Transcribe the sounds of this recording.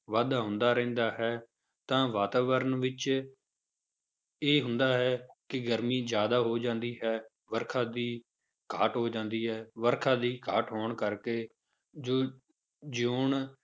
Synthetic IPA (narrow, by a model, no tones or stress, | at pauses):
ʋaːd̪aːɦʊ̃nd̪aːɾɛ̃ːnd̪aːɦɛː | t̪ãːʋaːt̪aːʋəɾənʋɪt͡ʃ | eːɦʊ̃nd̪aːɦɛːkɪɡəɾmiːzjaːd̪aːɦoːd͡ʒãːnd̪iːɦɛː | ʋəɾkʰãːd̪iː | kʰaːʈɦoːd͡ʒãːnd̪iːɦɛːʋəɾkʰãːd̪iːkʰaːʈɦoːɳkəɾkeː | d͡ʒoː | d͡ʒoːɳ